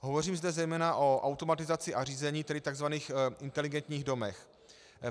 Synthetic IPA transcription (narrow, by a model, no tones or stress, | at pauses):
ɦovo̞riːmzdɛzɛjmɛːnaʔo̞ʔawt̪o̞mat̪ɪzat͡sɪʔariːzɛɲiːt̪ɛdɪt̪aɡzvaniːxʔɪnt̪ɛlɪɡɛnt̪ɲiːɣdo̞mɛx